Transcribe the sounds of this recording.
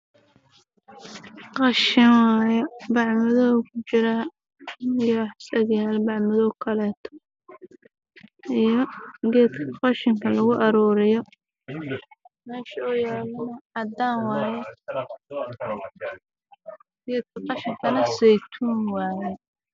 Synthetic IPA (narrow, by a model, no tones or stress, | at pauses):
qɑʃɪnwaːjɛbɑʕmɐðɔkʰʊt͡ʃɪɾa | jɔħsɐɣjaːlbɑʕmɐðɔːkʰɐlɛːt̪ʰɔ̥ | ijɔɡɛːd̪kʰɐqɑʃɪŋkʰɐlɐɣʊʔɐɾɔːɾɪjɔ | mɛːʃɐɔːjaːlɐnɐʕɑd̪aːnwɑːjɛ | ɡɛːd̪̚kʰɐqɑʃɪŋkʰɐnɐsɛjt̪ʰunwaːjɛ